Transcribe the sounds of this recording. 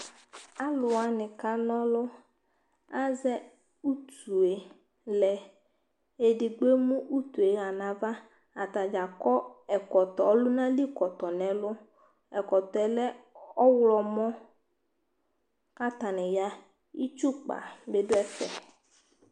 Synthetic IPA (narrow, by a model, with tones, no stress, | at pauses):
a˦lʊ˨a˨nɪ˨ka˦nɔ˦lʊ˦ | a˦zɛ˦ | u˦t̪ʰu˨e˨ | lɛ˨ | e˨dɪ˨ɡ͡be˦mũ˦ʔu˦t̪u˨e˨ɣa˨nã˨va˦ | a˨t̪a˨d͡ʒa˨kɔ˦ɛ˨kɔ˨t̪ɔ˨ɔ˦lʊ˦nã˦li˦kɔ˨t̪ɔ˨nɛ̃˨lʊ˦ | ɛ˨kɔ˨t̪ɔ˨ɛ˨˦lɛ˦ɔ˦wlɔ˨mɔ̃˦ | ka˦t̪a˨nɪ̃˨ja˦ | i˦t͡ʃu˦k͡pa̰˨be˦dʊ˦ɛ˦fɛ̰˨